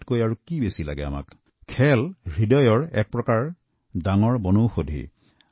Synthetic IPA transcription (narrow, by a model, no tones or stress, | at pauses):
tkojaɹukibesilaɡɛa̰ma̰k | kʰɛlɹidɔjɔɹɛ̰k̚pɹɔkaɹ | daŋɔɹbɔnowxodʱḭ